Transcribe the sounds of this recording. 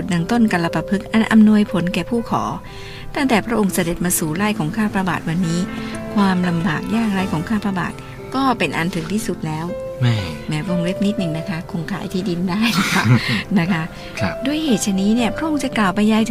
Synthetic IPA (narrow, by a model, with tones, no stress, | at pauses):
t̪̚na˧ŋt̪o˥˩nka˧la˧pa˧pʰɯ˦˥k̚ʔa˧nʔa̰˧mnu˧əjpʰo˩˦nkɛː˨˩pʰuː˥˩kʰɔ̰ː˩˦ | t̪ʰa˥˩ŋt̪ɛː˨˩pʰɾa˦˥ʔo˧ŋsa˧de˨˩t̪̚maː˧suː˨˩ɾaː˥˩jkʰɔː˩˦ŋkʰaː˥˩pɾa˧ba̰ː˨˩t̪̚wa˧nːiː˦˥kʰwaː˧mla˧mba̰ː˨˩k̚jaː˥˩k̚ɾa˧˩jkʰɔː˩˦ŋkʰaː˥˩pɾa˧ba̰ː˨˩t̪̚ | kɔː˥˩pe˧nʔa̰˧nt̪ʰɯ˨˩˦ŋt̪ʰiː˥˩su˨˩t̪̚lɛː˦˥wmmɛː˦˥wo˧ŋle˦˥p̚ni˦˥t̪̚nɯ˨˧ŋna˦˥kʰa˦˥kʰo˧ŋkʰaː˧˩˦jt̪ʰiː˧˥di˧ndaː˥˩jla˦˥kʰa˦˥˩na˦˥kʰa˦˥˧ | du˧˥˩əjheː˨˩t̪̚t͡ɕʰa˧niː˦˥ni˥˩ɐpʰɾa˦˥ʔo˧ŋt͡ɕa˨˩klaː˨˩wpa˧jːaː˧j